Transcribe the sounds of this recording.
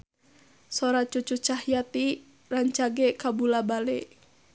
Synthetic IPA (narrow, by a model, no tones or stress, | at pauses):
soɾat͡ʃut͡ʃut͡ʃahjat̪i | raɲt͡ʃaɡɛkabulabalɛ